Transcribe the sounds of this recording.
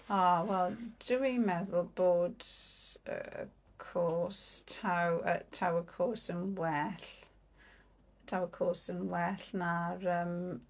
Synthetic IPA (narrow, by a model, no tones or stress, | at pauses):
ɔwɛlˠd̥əwimɛðʊlˠboːd | ə̰ə̰ | kʰoːstʰawə̰tʰawəkʰoːsənwɛɬ | tʰawəkʰoːsənwɛɬnaɾəm